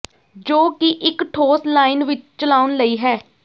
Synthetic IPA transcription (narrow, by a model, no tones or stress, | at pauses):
d͡ʒoːkɪʔɪkʈʰoːslaːɪnʋɪt͡ʃt͡ʃəlaːʊnləiːɦɛː